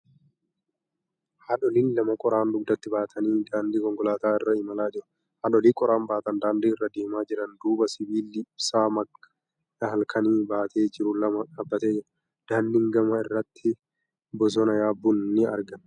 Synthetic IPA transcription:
haᶑɔlinlɐmɐkʼɔɾaːnd̪ʊɡ̚d̪ɐt̪ːɪbaːt̪ʰɐniːd̪aːnd̪iːkɔŋkɔlaːt̪aːɪrːɐɪmɐlaːd͡ʒɪɾʊ̥ | hɐᶑɔliːkʼɔɾaːnbaːt̪ɐnd̪aːnd̪iːɪrːɐd̪eːmaːd͡ʒɪɾɐnd̪uːbɐsɪbiːlːɪɪb̥saːmɐkːɐ̥ | hɐlkʰɐniːbaːt̪ʰe̞ːd͡ʒɪɾʊlɐmɐᶑabːɐt̪eːd͡ʒɪɾʊ | d̪̥aːnd̪ɪŋɡɐmɐɪrːɐt̪ːɪ | bɔs̬ɔnɐjaːbːʊnːɪɐ̰ɾɡɐn

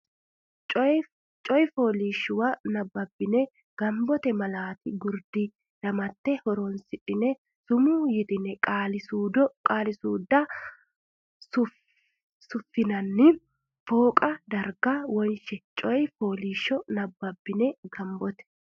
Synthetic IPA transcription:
t͡ʃʼ | t͡ʃʼɔjfoːliːʃːʊwɐnɐbːɐbːɪnɛ | ɡ̥ɐmbɔt̪ɛmɐlaːt̪ɪɡʊɾd̪ɪ | lɐmɐt̪ːɛhɔɾɔnsɪᶑɪnɛ | sʊmujɪt̪ɪnɛkʼalɪudkʼaːlɪsuːd̪ɐ | sʊ | sʊfːɪnɐnːɪ | foːkʼɐd̪ɐɾɡɐwɔnʃɛt͡ʃʼɔjfoːliːʃːɔnɐbːɐbːɪnɛɡɐmbɔt̪ɛ̥

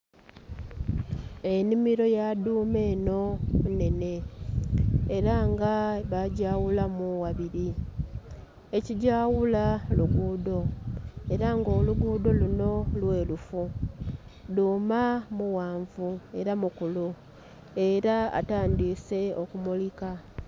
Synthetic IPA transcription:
e̞nimiɾo̞jaduːme̞ːno̞mune̞ne̞ | ɾaŋɡaβaɟaːwulamuwaβiɾi | e̞ciɟaːwulaluɡuːdo̞e̞ɾaŋɡo̞ːluɡuːdo̞luno̞lwe̞ːlufu | duːmamuwaːɱvue̞ɾamukulu | e̞ɾaa̰taːndise̞okumulika

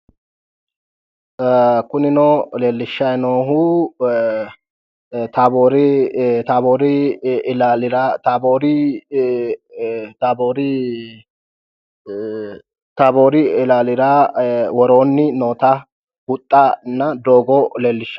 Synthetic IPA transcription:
kʊnɪnɔːleːlːɪʃːɐjnoːɦu | t̪aboːɾɪt̪aːboːɾɪlalɪɾat̪aboːɾɪ | t̪aːboːɾɪ | t̪aboːɾɪɪlaːlɪɾawɔɾoːnːɪnoːt̪a | hʊt̪ʼːanːɐd̪oːɡɔleːlːɪʃːɐ̥

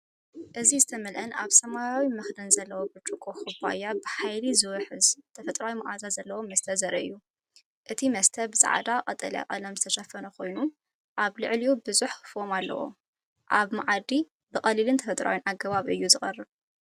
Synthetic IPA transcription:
ʔɨzizɨt̪ʰɐmɐlʔɐnaβsɐmajawimɨxd̪ɐnzɐlːɐwobɨt͡ʃʼukʼoxɨba̰jːabɨħajlizɨwɐħɨzt̪ʰɐfɐt̪ʼɾawimɐʔazazɐlːɐwo̞mɐst̪ʰɐzɐɾɐɨ̰jːu | ʔɨt̪ʰimɐst̪ʰɐbɨsʼa̰ʕd̪aqʼɐt̪ʼɐla̰kʼɐlɐmzɨt̪ʰɐʃɐfɐnɐkʰo̞jnu | ʔaβlɨʕliubɨzuħfomalːɐ̰wo̰ | ʔaβmaʕad̪i | bɨxʼɐlilɨnt̪ʰɐfɐt̪ʼɾʔa̰wjinʔaɡɐβaβʔɨ̰jːuzɨχʼɐrːɨβ

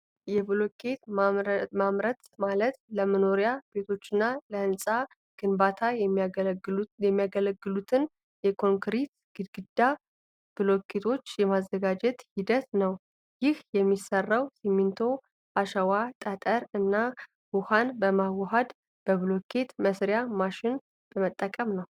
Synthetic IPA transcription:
jɛblokʰet̪ | mamɾət̪malət̪ləməno̞ɾijab̥e̞t̪ʰo̞t͡ʃːɪnːaləɨnsʼa | ɡ̥ɨnbat̪ʰaj | jɛmːijaɡələɡːɨlut̪ʰɨn | jɛkʰo̞ŋkɾit̪ | ɡ̥ɨɡɨd̪ːa | b̥ɨlo̞kʰːet̪ʰo̞t͡ʃːjɛmazːəɡad͡ʒɛt̪hid̪ət̪nəw | jɪhjɛmːisərːawsimːint̪ʰo̞ | ʔaʃəwat̪ʼət̪ʼəɾɨnːa | wuhanbəmawːəɦad̪ | b̥əβlokʰet̪məsɾjamaʃɪn | b̥əmət̪ʼːəkʼəmnəw

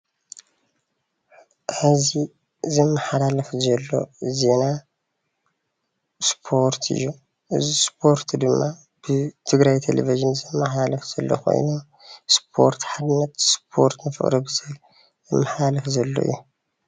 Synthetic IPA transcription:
ɨzi | zɨmːaħalalɐfzɐlːo̞̰ze̞na | spʰo̞ɾt̪ʰɨ̰jːu | ʔɨzispʰo̞ɾt̪d̪ɨmːa | b̥ɨt̪ʰɨɡɾajt̪ʰḛlʔḛviʒɨnzɨmːaħalɐfz̥ɐlːo̰kʰo̰jno | spʰo̞̰ɾt̪ħad̪ɨnɐt̪spʰo̞̰ɾt̪nɨfɨ̰χʼɾɨbɨzɨ | zɨmːaħalɐfzɐlːo̰ḭjːu

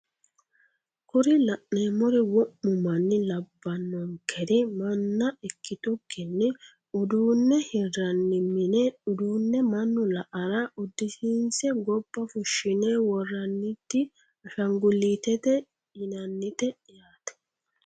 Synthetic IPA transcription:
kʊɾɪlɐʔneːmɔɾɪwɔmːʊmɐnːɪlɐbːɐnːɔŋkʰɛɾɪmɐnːɐɛkːɪt̪ʼʊkːɛnːɪ | ʊd̪uːnːɛhɪrɐnːɪmːɪnɛʊd̪uːnːɛmɐnːʊlɐʔɐɾaʔʊd̪ːɪsiːnsɛɡɔb̥ːɐfʊʃːɪneːwɔrːɐnːɪt̪ːɪ | ɐʃɐŋɡʊlːiːt̪ɛt̪ɛ | jɪnɐnːɪt̪ɛ | jaːt̪ɛ̥

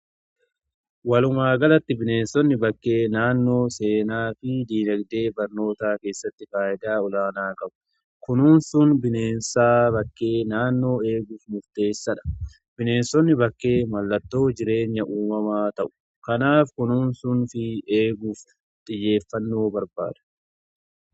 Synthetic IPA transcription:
wɐlʊmaːɡɐlɐt̪ːɪbɪneːnsɔnːɪbɐkːe̞ːnaːnːo̞ːse̞ːnaːfɪd̪iːnɐɡd̪e̞ːbɐɾno̞ːt̪aːke̞ːsːɐt̪ːɪfaːʔɪd̪aːɔlaːnaːkɐbʊ̥ | kʊnuːnsʊnbɪne̞ːnsaːbɐkːe̞ːnaːnːo̞ːe̞ːɡʊfmʊɾt̪e̞ːsːɐᶑɐ̥ | b̥ɪne̞ːnsɔnːɪbɐkːe̞ːmɐlːɐt̪ːo̞ːd͡ʒɪɾe̞ːɲːɐʔuːmɐmaːt̪ɐʔʊ̥ | kɐnaːfkʊnuːnsʊnfɪeːɡʊːf | t̪ʼɪjːe̞ːfːɐnːo̞ːbɐɾba̰ːd̪̥ɐ̥

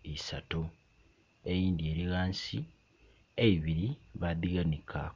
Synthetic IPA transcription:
isato | ejiːnd̪ie̞ːɾiɣaːnsi | eiβiɾiβaðiɡanikʰa

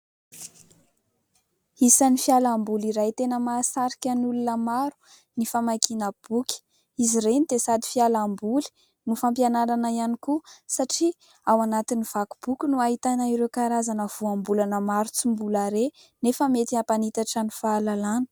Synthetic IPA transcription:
isanifialambuliɾajt̪enəmasaɾikʲanulunəmaɾu̥ | nifamakinəb̥ukʲə̥ | iziɾenit̪esad̪i̥fialambuli̥ | nufampianaɾanəianikusaʈ͡ʂi | awanat̪iniv̥aku̥b̥ukʲunuaɦit̪anaiɾewkaɾazanəv̥uambulanəmaɾut͡sumbulaɾe | nefəmet̪iapanit̪aʈ͡ʂənifaːlalanə̥

